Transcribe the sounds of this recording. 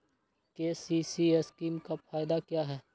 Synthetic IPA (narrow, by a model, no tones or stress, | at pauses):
keːsiːsieskiːmkafʰaːɪd̪akjaːɦɛː